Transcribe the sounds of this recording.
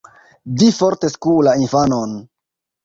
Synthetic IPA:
difo̞ɾteskulainfanon

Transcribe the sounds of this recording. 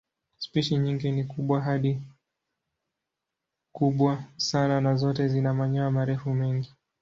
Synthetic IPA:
spiʃiɲiŋɡinikuɓwaɦaɗi | kuɓwasananazɔtɛzinamaɲɔamaɾɛfumɛŋɡi

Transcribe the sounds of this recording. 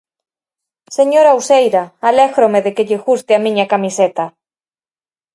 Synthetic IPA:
seɲoɾawsejɾaalɛɣɾomeðekeʎɪxust̪ɪamĩɲɐkamiset̪ɐ

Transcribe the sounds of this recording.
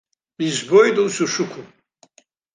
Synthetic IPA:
bizbɔjd̪usuʃukʰu

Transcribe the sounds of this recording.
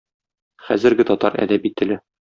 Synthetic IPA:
χæ̰zɘ̆ɾɡɘt̪ɒt̪ɑ̰ɾæ̰d̪æpit̪ːɘ̆lɘ

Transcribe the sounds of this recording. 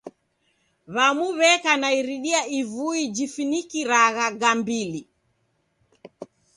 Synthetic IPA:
βamuβɛkanaiɾiɗiaivuid͡ʒifinikiɾaɣaɡambili

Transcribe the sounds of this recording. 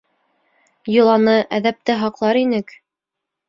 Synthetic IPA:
jŏlˠɑnɤʔæðæp̚t̪ɘɦɑqlˠɑɾinɘk

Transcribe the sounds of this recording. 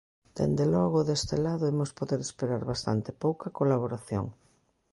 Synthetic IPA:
d̪̥ḛnd̪elɔɣ̞oðest̪elaðoemospoðeɾespeɾaɾβast̪a̰nt̪epowkɐkolaβ̞oɾaθjo̰ŋ

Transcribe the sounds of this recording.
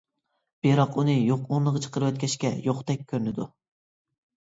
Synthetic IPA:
b̥eɾɑqunɨjoqonnˠəʁət͡ʃʰə̥qəɾɨwɛt̪̚kʲʰɛʃkʲɛjoqt̪ɛkʲʰːøɾnɪd̪u

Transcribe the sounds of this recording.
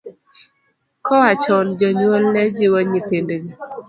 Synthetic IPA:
kɔat͡ʃɔnd͡ʒɔɲolnɛd͡ʒiwoɲitendeɡe

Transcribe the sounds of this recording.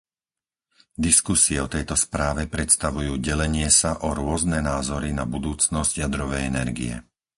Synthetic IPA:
d̪iskusiɛɔt̪ɛjt̪ɔspɾaːʋɛpɾɛt̪st̪aʋujuːɟɛlɛɲɪɛsaʔɔɾʊɔznɛnaːzɔɾinabud̪uːt͡snɔzɟjad̪ɾɔʋɛjɛnɛɾɡḭɛ̰

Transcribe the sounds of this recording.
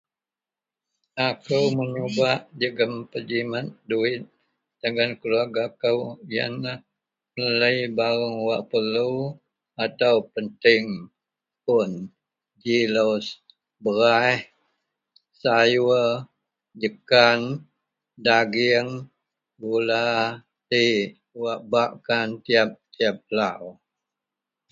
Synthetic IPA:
akəwməɲubaʔd͡ʒəɡəmpəd͡ʒimat̪̚duɪt̪̚ | dəŋankəluaɡakəwja̰nlah | mələjbaɾʊŋwaʔpəlu | at̪awpənt̪ɪŋ | pʊn | d͡ʒilos | bəɾaɛh | sajuə | d͡ʒəkan | daɡɪŋ | ɡula | t̪i | waʔbaʔkant̪iap̚t̪iap̚law

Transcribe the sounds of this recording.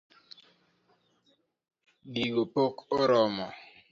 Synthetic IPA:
ɗiɡopokoɾɔmɔ̰

